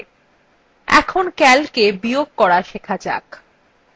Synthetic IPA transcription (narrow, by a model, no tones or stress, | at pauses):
ɛ̰kʰonkɛlkebijoɡ̚kːɔɾaʃekʰad͡ʑa̰k